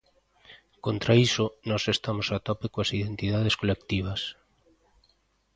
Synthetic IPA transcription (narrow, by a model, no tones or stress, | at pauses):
kont̪ɾaisʊnɔsest̪amosat̪ɔpekoasiðent̪iðaðeskolekt̪iβ̞ɐs